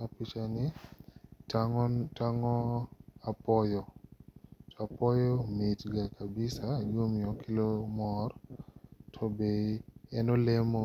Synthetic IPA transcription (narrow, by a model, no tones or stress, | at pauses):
apit͡ʃanɪ | taŋɔapɔjɔ | tʰɔapɔjɔmitɡakʰabɪsajomjɔkʰɪlomɔr | tʰɔbeɛnɔlemo